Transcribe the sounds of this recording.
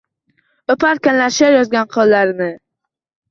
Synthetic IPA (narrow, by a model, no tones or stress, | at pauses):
opʰaɾkʲanlaɾʃaɾjɒzɡʲanqʰɒlˠːaɾɪnɪ